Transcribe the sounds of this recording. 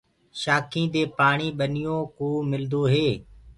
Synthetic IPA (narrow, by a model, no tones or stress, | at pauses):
ʃaːkʰĩːd̪eːpaːɳ̃iːɓənɪjõːkoːmɪld̪oːɦeː